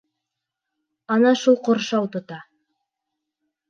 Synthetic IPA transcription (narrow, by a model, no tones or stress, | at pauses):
ɑnɑʃulˠqŏɾʃɑwt̪ŏt̪ɑ